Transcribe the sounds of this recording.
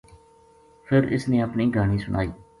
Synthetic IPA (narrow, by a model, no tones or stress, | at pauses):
pʰɪɾɪ̰snẽːəpniːɡʱaːɳ̃iːsʊɳʔa̰ːiː